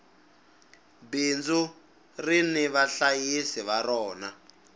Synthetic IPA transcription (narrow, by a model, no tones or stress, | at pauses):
bind͡zu | riniβaɬajisiβaɾɔːna